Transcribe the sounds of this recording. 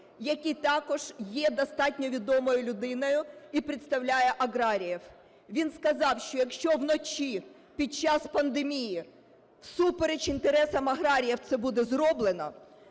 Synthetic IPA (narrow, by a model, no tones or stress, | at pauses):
jɐkʲit̪ɑkɔʒ̥jɛd̪ɐst̪ɑtʲnʲɔʋʲid̪ɔmɔjʊlʲʊd̪ɪnɔjʊipɾɪt̪st̪ɐwlʲajɛʔɐɣɾɑɾʲijɛw | ʋʲinskɐzɑwʃt͡ʃɔjɐkʃt͡ʃɔwnɔt͡ʃʲi | pʲit͡ʃɑspɐnd̪emʲiji | wsupeɾet͡ʃint̪eɾɛsɐmɐɦɾɑɾʲijɛwt̪sɛbud̪ɛzɾɔblˠenɐ̰